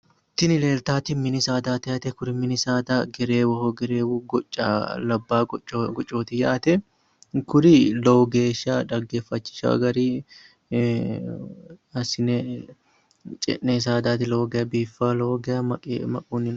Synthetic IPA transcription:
t̪ːɪnɪle̞ːlt̪aːt̪ɪmɪnɪsaːd̪aːt̪ɐjɐt̪ɛkʊɾɪmɪnɪsaːd̪aːɡɛɾeːwɔhoɡɛɾeːwuɡɔt͡ʃʼːɐlɐbːaːt͡ʃʼːɡɔt͡ʃʼːo̞ːt̪ɪjɐʔɐt̪ɛ | kʊɾɪloːɡe̞ːʃaᶑ̪ɐɡːe̞ːfːɐt͡ʃːɪ̥ʃa̰ɡɐɾiː | ɐsɪnɛ | t͡ʃʼɛ̰ʔːeːs̬aːd̪aːt̪ɪloːɡɛjɐbiːfːaːloːɡɛɐmɐkʼmɐkʼuːnːɪ

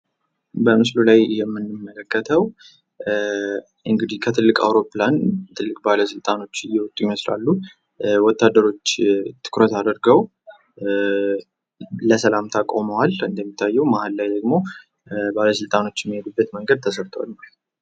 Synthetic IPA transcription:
bəmɨslulajjɛmːɨnːɨmːələkːət̪ʰəw | ʔɨŋɡɨd̪ihkʰət̪ʰɨlːɨkʼa̰wɾo̞plant̪ʰɨlːɨkʼbaləsɨlt̪ʼano̞t͡ʃːɪjɛwɔt̪ʼujɪməsla̰lːu | wɔt̪ːad̪ːəɾo̞t͡ʃːt̪ʰɨ̥kʰɾət̪ad̪əɾɡəw | ləsəlamt̪ʰakʼoməwalɨnd̪əmːit̪ʰːajːɛwmahalːajd̪əɡmo̞ | baləsɨlt̪ʼano̞t͡ʃːɛmːihed̪ubːət̪məŋɡəd̪̚t̪ʰəsəɾt̪ʰəwa̰lma

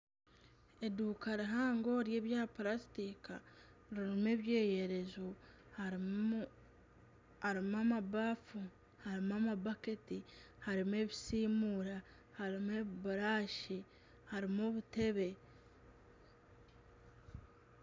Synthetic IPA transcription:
e̞duːkaɾiɦaːŋɡo̞ɾje̞ːβjaːplasi̥tikaɾiɾume̞ːβje̞ːje̞ɾe̞zo | h | haɾimamabaːfu | haɾimamabaketi | haɾime̞βisiːmuːɾa | haɾimeβiβuɾaːʃi | haɾimoβute̞βe̞

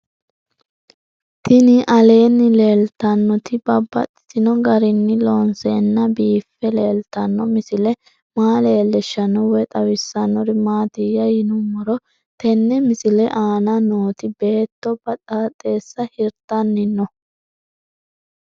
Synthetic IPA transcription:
t̪ɪnɪʔɐle̞ːnːɪle̞ːlt̪ɐnːɔt̪ɪbɐbːɐ̰t̪ʼːɪ̥tɪnɔɡɐɾɪnːɪloːnseːnːɐbiːfːɛleːlt̪ɐnːɔmɪsɪlɛ | maːleːlːɛʃːɐnːɔwɛt̪ʼɐwɪsːɐnːɔɾɪmaːt̪ɪjːɐjɪnʊmːɔɾɔ | t̪ɛnːɛmɪsɪlɛʔaːnɐno̞ːt̪ɪbe̞ːt̪ːɔbɐt̪ʼaːt̪ʼːe̞ːsːɐhɪɾt̪ːɐnːɪnːɔ

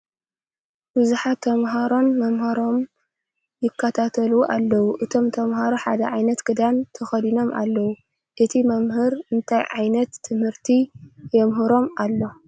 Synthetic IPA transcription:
bɨzuħat̪ʰːɐmɦaɾo̞nmɐmhɐɾo̞m | jɪkʰːɐt̪ʰat̪ʰɐluʔalːɐwuʔɨt̪ʰo̞mt̪ʰɐmhaɾoħad̪ɐʕajnɐt̪ɡ̥ɨd̪ant̪ʰɐxɐd̪ino̞mʔa̰lːɐwu | ʔɨt̪ʰimɐmɦɨɾɨnt̪ʰajʕajnɐt̪ʰːɨmhɨɾt̪ʰijɛmɦɨɾo̞malːo̞

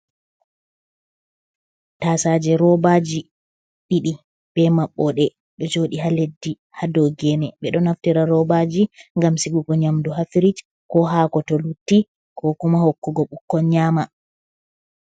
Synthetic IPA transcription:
tasad͡ʒɛɾɔbad͡ʒi | ɓiɗi | b̥ɛmaɓːɔɗɛ | ɗɔd͡ʒoːɗiɦaledːi | hadɔɡɛnɛɓɛɗɔnaftiɾaɾɔbad͡ʒiŋɡamsiɡuɡɔɲamduɦafiɾit͡ʃ | kɔɦaːkɔtɔlutːi | kɔkumahokːuɡɔɓukːɔɲama

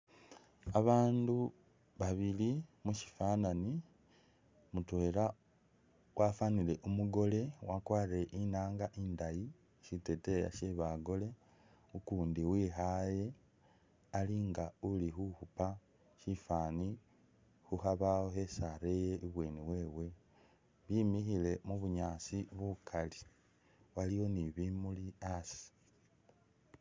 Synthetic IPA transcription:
aβaːndu | βaβilimuʃi̥faːnani | mutwe̞ːɾa | wʔafaniɾe̞ʔumuɡo̞le̞wakwaːɾiɾeʔinaːŋɡaʔiːndaji | ʃite̞te̞ja̰ʃeβaɡo̞le̞ | ukuːndiwiːɦaje̞ | aliŋɡaulixuhupa | ʃifaːni | xuhaβaho̞hesaɾe̞jeʔiβwe̞ːniwe̞ːwe̞ | βimixile̞muβuɲaːsiβukʰali | waliwo̞niβimuliasi̥

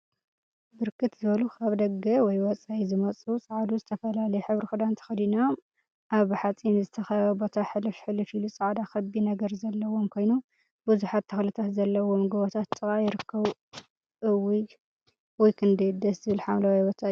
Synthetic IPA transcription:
bɨɾkʰɨt̪zɨβɐlukʰaβd̪ɐɡɐwɔjwɔt͡sʼaizɨmɐt͡sʼusʼaʕd̪uzɨt̪ʰɐfɐlalɐjɛħɨβɾixɨd̪ant̪ʰɐ̥xɐd̪inam | ʔaβħat͡sʼimzɨt̪ʰɐxɐjɐbo̞t̪ʰaħɨlɨfħɨlɨfilusʼaʕd̪akɐbːinɐɡɐɾzɐlːɐwo̞mkʰo̞jnu | buzuħat̪ʰːɐxlɨt̪ʰat̪zɐlːɐwo̞mɡɨβot̪ʰat̪ʼːɨkʼajɪɾɨkʰːɐβ | ʔɨwij | wɔjkʰɨnd̪ɐjd̪ɐszɨβɨlħamlawajbot̪ʰaj

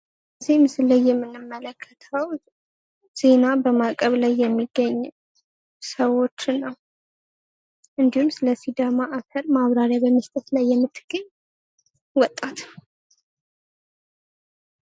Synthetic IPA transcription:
zimɨsɨlːajːɛmːɨnːɨmːələkʰːə̥t̪ʰəw | z̥e̞nabəmakʼəβlajːɛmːiɡːəɲː | səwo̞t͡ʃːnːəw | ʔɨnd̪ihumsɨləsid̪əmaʔakʰəɾmaβɾaɾjabəmːəst̪ʼət̪lajːɛmːɨt̪ʰːɨɡ̥əɲ | wɔt̪ʼːat̪

